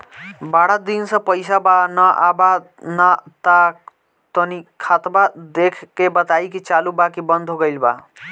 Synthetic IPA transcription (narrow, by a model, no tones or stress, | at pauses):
baɽad̪insə̃pəɪsabanəʔaba | nat̪a | t̪ənikʰat̪bad̪ekʰkːebət̪ajkit͡ʃalubakibənd̪ʱɦoɡəjlba̰